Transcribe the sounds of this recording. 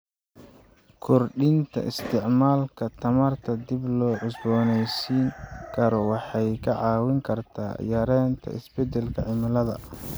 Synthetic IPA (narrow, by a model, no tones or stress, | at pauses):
kʰɔrɖɪnt̪ʰɐ̰ʔɪ̰st̪ʰɪʕmaːlkʰɐt̪ʰɐmɐrt̪ʰɐd̪ɪblɔːʕʊsbɔːnɛjsiːŋkʰɐɾɔwɑħɑjkʰɐʕɑːwɪŋkʰɐrt̪ʰa̰ːjɐɾɛːnt̪ʰɐ̰ɪ̰sbɛd̪ɛlkʰɐʕɪmɪlɐðɐ̰